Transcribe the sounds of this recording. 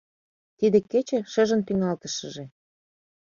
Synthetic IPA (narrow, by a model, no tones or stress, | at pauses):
t̪id̪ĕket͡ɕĕʃə̆ʒə̆nt̪yŋɑlt̪ə̆ʃə̆ʒe